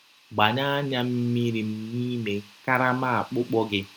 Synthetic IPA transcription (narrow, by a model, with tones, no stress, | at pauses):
ɡ͡ba˨ɲa˦a˦ɲa˦m̩˦mi˦ɾi˨m̩˦ni˦me˨ka˦ɾa˦ma˦a˨k͡pʊ˦k͡pɔ˦ɡɪ˦